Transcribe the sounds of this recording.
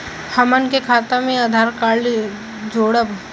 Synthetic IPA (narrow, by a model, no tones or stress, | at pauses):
həmənkekʰaːt̪amẽɐd̪ʱaːɾkaːɭ | d͡ʒoːɽəb